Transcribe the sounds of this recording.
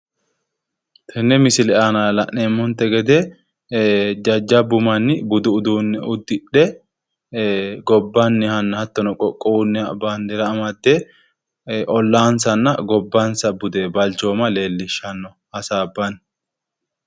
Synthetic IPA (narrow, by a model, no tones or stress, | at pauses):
t̪ʰɛnːɛmɪsɪlɛʔanalɐʔneːmːɔnt̪ːɛɡɛd̪ɛ | d͡ʒɐd͡ʒːɐbʊmɐnːɪbʊd̪ʊʊd̪uːnːɛʊd̪ːɪɗɛ | ɡɔbːɐnːɪhɐnːɐhɐt̪ːɔnɔkʼɔkʼːɔwʊnːɛɐ̰baːnd̪ɛɾɐːmɐd̪ːe | ʔɔlːaːnsɐnːɐɡɔbːansɐbʊd̪ebɐlt͡ʃo̞ːmɐle̞ːlːɪʃːɐnːɔ | hɐsaːbːɐn